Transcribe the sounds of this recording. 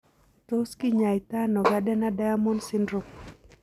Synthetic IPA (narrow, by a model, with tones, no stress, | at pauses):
to˦skɪ˦ɲa˨jɪ˨ta˦nɔ˨ɡa˦dɛ˦na˦da˦jamɔ˦nsɪ˦ndɾo˨m